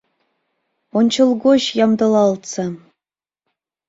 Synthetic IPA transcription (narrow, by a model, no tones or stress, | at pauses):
onʲt͡ɕɤ̆lˠɡoɕjɑmd̪ɤ̆lˠɑlˠt̪t͡sɑ